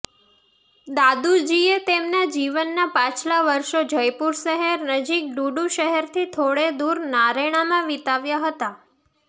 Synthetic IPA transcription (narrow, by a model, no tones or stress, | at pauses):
d̪ad̪ud͡ʒiet̪emnad͡ʒiʋənːapãt͡ʃlaʋəɾʃod͡ʒəjpuɾʃəɦɛɾnəd͡ʒik̚ɖuɖũʃəɦɛɾt̪ʰit̪ʰoɽed̪uɾnaɾeɽ̃amãʋit̪aʋjaɦət̪a